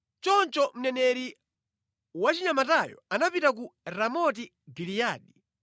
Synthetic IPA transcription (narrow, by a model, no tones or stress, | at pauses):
t͡ʃɔnt͡ʃɔm̩nɛnɛɾi | wat͡ʃiɲamatajɔ̰anapitak̬uɾamɔti | ɡilijaːɗi